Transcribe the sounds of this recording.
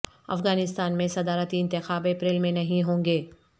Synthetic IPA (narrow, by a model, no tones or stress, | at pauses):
ɐ̰fɣaːnɪst̪aːnmẽsɐd̪aːɾət̪iɪ̃nt̪ɪxaːbepɾeːlmẽnɐɦĩɦõːŋɡeː